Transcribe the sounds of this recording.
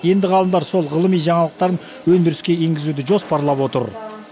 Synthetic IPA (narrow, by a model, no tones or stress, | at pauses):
je̞nd̪ɪʁɑlˠəmd̪ɑɾso̞lˠʁəlˠəmijʒɑɴɑlˠəq̚t̪ɑɾən | wɵnd̪ɪɾɪskʲe̞e̞ŋɡʲɪzud̪ɪʒo̞spɑɾlˠɑpwo̞t̪ə̰ɾ